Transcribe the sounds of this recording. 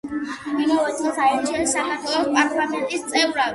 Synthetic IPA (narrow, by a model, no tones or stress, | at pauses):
imɔɔt̪sʰʼχɔsaɛɾt͡ʃʰiɛnisakʰaɾt̪ʰwɛlɔspʼaɾt̪ʼlamɛnt̪ʼist̪sʼɛvɾav